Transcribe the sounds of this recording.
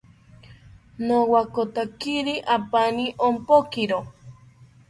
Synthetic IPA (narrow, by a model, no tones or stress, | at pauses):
nowakot̪akiɾiʔapaniʔompokiɾo